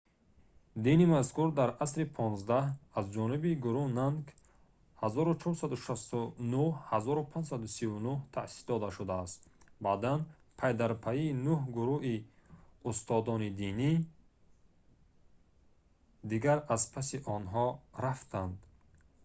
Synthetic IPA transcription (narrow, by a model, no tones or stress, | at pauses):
d̪inimaskʰuɾd̪aɾʔasɾipʰɔnzd̪ahazd͡ʒɔnibiɡuɾunank | hazɔɾut͡ʃʰɔɾsad̪uʃast̪unuhazɔɾupʰãnd͡ʒsad̪usivunuht̪ʰasi̥sd̪ɔd̪aʃud̪aːst̪bad̪an | pʰajd̪aɾpʰaiːnuhɡuɾuʔiust̪ʰɔd̪ɔnid̪ini | d̪iɡaɾazpʰasiʔɔnɦɔɾaft̪ʰand̪